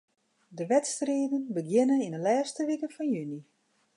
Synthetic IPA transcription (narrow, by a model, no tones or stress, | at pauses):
dəʋɛtstreːdənbəɡjɪnəinəlɛːstəʋikəfɔnjyni